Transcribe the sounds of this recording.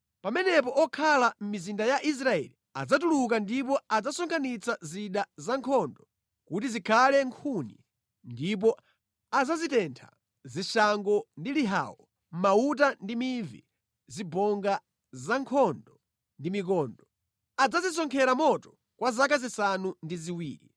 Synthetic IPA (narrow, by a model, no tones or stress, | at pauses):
pamɛnɛp̬ɔʔɔkʰalam̩mizindajaʔis̬ɾaɛ̰li | ad͡zatuluk̬andip̬ɔad͡zasɔŋkʰanit͡saziɗazaŋkʰɔndɔ | kut̬izikʰalɛŋkʰunḭ | ndip̬ɔ | azazitɛntʰa̰ | ziʃaŋɡɔndiliɦa̰ːwɔ | m̩maut̬andimiɱvḭ | zibɔŋɡa | zaŋkʰɔndɔ | ndimik̬ɔːndɔ | ad͡zazis̬ɔŋkʰɛɾamɔtɔ̥ | kwazak̬azisanundiziwiːɾḭ